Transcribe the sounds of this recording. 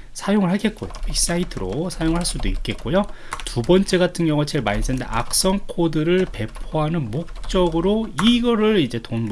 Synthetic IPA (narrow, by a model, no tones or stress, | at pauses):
sʰajoŋɯɭɦaɭk͈e̞t̚k͈o̰jopʰik̚s͈aitʰɯɾo̰sʰajoŋɯɭhaɭs͈udoit̚k͈e̞t̚k͈ojo | tubʌnt͡ɕ͈e̞ɡatʰɯŋɲjʌŋɯt͡ɕe̞ɭmaɲis͈ʰenndḛʔa̰k̚s͈ʌŋkʰodɯɾɯɭpe̞pʰoɦanɯnmok̚t͡ɕ͈ʌɡɯɾoiɡʌɾɯɭid͡ʑe̞tonb